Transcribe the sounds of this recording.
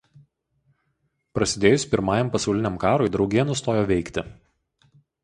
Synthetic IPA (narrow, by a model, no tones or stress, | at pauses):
pɾɐsʲɪd̪ʲeːjʊsʲpʲɪɾmɑːjɛmpɐsɒʊlʲɪnʲɛmkɑːɾoɪd̪ɾɒʊɡʲeːnʊst̪oːjoːʋʲɛɪkt̪ʲɪ